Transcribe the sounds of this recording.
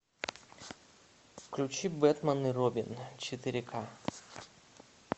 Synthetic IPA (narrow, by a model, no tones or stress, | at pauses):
fklʲut͡ɕibɛt̪mənːɨɾobʲɪnt͡ɕɪt̪ɨɾʲɪkʰa